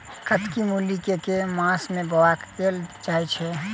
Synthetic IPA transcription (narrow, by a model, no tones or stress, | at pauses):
kət̪kimulikekemãsmẽbəwakeld͡ʒaːit͡ʃʰɛ